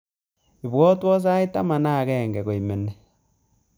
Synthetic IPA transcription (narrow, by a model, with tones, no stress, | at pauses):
i˨βwɔ˦twɔ˦s̬a˦i˦ta˦ma˨na˦˨ɣɛː˦˨ŋɡɛ˨ɣo˨i˨me˨ne˨